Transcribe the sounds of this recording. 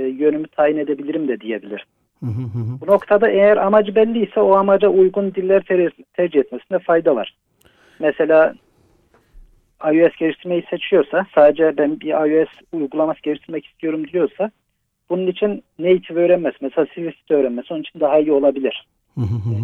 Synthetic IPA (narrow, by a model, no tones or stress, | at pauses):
jø̞nymyt̪ʰaːjine̞d̪e̞bilʲiɾimd̪ɛd̪ije̞bilʲiɾ̥ | bunokt̪ʰad̪aʔɛjæɾamad͡ʒɯbɛlʲːijsɛoamad͡ʒaʔujɡund̪ilʲːæɾt̪ʰɛɾd͡ʒihɛt̪mɛsind̪ɛfajd̪ava̰ɾ̥ | mɛse̞lʲaː | ajyɛsɟeiʃt̪ʰiɾmejise̞t͡ʃʰijo̞ɾsasaːd̪ed͡ʒɛbænbiɾajyɛsujɡulˠamasɟ̥e̞lʲiʃt̪ʰiɾmɛci̥st̪ʰijo̞ɾumd̪iijo̞ɾsa | b̥ununit͡ʃʰinːejit̪ʰivø̞ːɾænmɛz̥mɛselʲaːsivist̪i̥t̪ʰø̞ːɾænmesonit͡ʃʰind̪aɦaijio̞lˠabilʲiɾ̥